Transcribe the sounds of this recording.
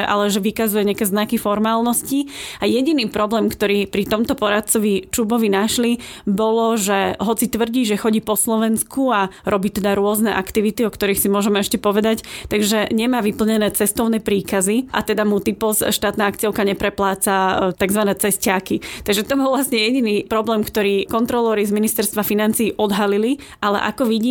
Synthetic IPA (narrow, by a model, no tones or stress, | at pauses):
ʔa̰lɛʒɛʋikazujɛɲɪakɛːznakifɔɾmaːlnɔsciajɛɟiniːpɾɔblɛːmkt̪ɔɾiːpɾit̪ɔmt̪ɔpɔɾat̪̚t͡sɔʋit͡ʃubɔʋinaʃlibɔlɔʒɛɦɔt͡sit̪ʋr̩ɟiːʒɛxɔɟiːpɔslɔʋɛnskuaɾʔɔbiːt̪ɛd̪aɾʊɔznɛʔakt̪iʋit̪iɔkt̪ɔɾiːxsimʊɔʒɛmɛʃcɛpɔʋɛd̪act̪aɡʒɛɲɛmaːʋipl̩ɲɛnɛːt͡sɛst̪ɔʊnɛːpɾiːkaziʔa̰t̪ɛd̪amut̪ipɔsʃt̪aːt̪naːakt͡siɔʊkaɲɛpɾɛplaːt͡sat̪aɡzʋanɛːt͡sɛscaːkit̪aɡʒɛt̪ɔbɔlˠʋlasɲɛjɛɟiniːpɾɔblɛːmkt̪ɔɾiːkɔnt̪ɾɔlɛːɾizminist̪ɛɾst̪ʋafinant͡siːʔɔd̪ɦalili | ʔalɛ̰ʔa̰kɔʋiɟiː